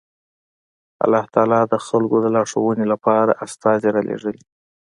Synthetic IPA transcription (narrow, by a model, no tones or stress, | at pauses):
a̰lːɑht̪ɑlɑd̪əxalɡod̪əlɑʂəwənelapɑɾa̰ʔast̪ɑzeɾɑlḛʐəle